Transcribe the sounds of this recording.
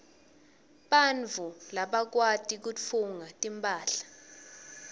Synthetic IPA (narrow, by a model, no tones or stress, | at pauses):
ɓand͡vʱulaɓak̬watʼik̬uuŋatʼimpʼaːɬḁ